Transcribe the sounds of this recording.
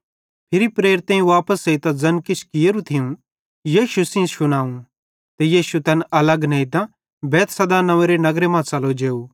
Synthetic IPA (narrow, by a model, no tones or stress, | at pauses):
pʰɪɾipɾeːɾt̪ɛ̃ːĩʋaːpəseit̪ãd͡zɐnkɪt͡ʃʰkɪjeɾũt̪ʰɪũ | ijiːʃusɪ̃ʃʊnaːũ | t̪ejiːʃut̪ɛnʔɐləɡnɐit̪ã | bɛːt̪sɐd̪anɐʋẽɾenɐɡɾemãt͡sɐlod͡ʒeːu